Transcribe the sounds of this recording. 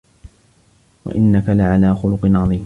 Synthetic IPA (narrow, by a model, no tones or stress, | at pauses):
wa̰ʔɪnːakalɪʕalaːxʊlʊqɨnʕɑðˤiːm